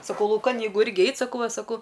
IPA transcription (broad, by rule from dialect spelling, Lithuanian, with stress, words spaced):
sɐˈkɐʊ lˠɐʊˈkɐn jɛɪˈɡʊ ˈɪrʲɡʲɪ ˈɛɪt sɐˈkɐʊ ˈʋɐ sɐˈkɐʊ